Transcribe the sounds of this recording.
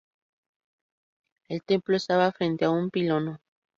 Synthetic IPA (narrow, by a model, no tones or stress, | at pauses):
elt̪e̞mploest̪aβafɾẽ̞nt̪eaumpilono